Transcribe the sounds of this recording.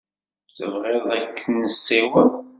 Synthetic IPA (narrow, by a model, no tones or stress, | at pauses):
θə̰vʁeðˤækːənːəsːiwən